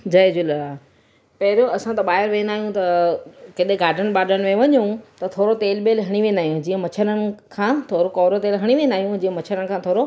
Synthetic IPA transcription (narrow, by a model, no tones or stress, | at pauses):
d͡ʑɐd͡ʑʊlaː | pɐɦɪɾoɐsãt̪ɐɓaːɦɪɾʋẽːnd̪aːɦijũt̪ɐkɪɗeɡaːɾɖənɓaːɖənɪ̆mẽʋɐɲũt̪ɐt̪ʰoːɾot̪eːlɓeːlɦɐɽ̃iʋẽːnd̪aːɦijũd͡ʑiːə̃mɐt͡ɕʰəɾənɪ̆kʰãːt̪ʰoːɾokɔːɾot̪eːlɦɐɽ̃iʋẽːnd̪aːijũd͡ʑiːə̃mɐt͡ɕʰəɾəñɪ̆kʰãːt̪ʰoːɾo